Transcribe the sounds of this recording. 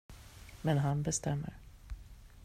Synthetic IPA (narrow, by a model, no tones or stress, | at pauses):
mɛnɦanbɛst̪ʰɛmːə̰ɾ